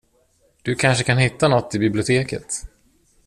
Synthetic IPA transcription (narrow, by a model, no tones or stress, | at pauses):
d̪̥ɵkʰanʂəkanhɪt̪ːanɔt̪ːɪbɪblɪʊt̪ʰeːkə̰t̪